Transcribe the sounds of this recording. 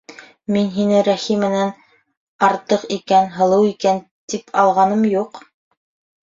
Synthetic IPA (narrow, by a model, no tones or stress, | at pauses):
minɦinɘɾæχimːɘ̆næn | ɑɾt̪ɤqikænɦɤ̆lˠɤwikæn | t̪ipʰɑlˠʁɑnɤmjuq